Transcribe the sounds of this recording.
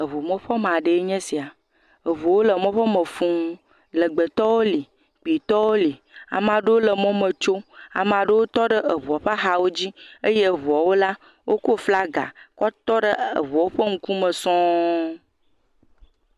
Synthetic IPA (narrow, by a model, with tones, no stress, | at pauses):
ə˨βo˨mɔ̃˦ɸɔ˦mẽ˨a˨ɖe˨e˦ɲɛ̃˦si˨a˨ | ə˨βu˨wo˦lə˨mɔ̃˦ɸɔ˦mə̃˨fũ˦ | lə˨ɡ͡bə˨t̪ɔ˦wo˦li˨ | k͡pi˨t̪ɔ˦wo˦li˨ | a̰˨m˨ã˨ɖə˦wo˦lə˨mɔ̃˦mə̃˨t͡ʃo˦a̰˨m˨a˨ɖə˦wo˦t̪ɔ˦ɖə˦ə˨βu˨a˨ɸa˦xa˨wo˦d͡ʑi˦ə˦je˦ə˨βu˨a˨wo˦la˦ | wʔo˦ko˦fla˦ɡa̰˨kɔ˦t̪ɔ˦ɖə˦ə̰˨βu˨a˨wo˦ɸə˦ŋ̩˦ku˦mə̃˨sɔ̃˦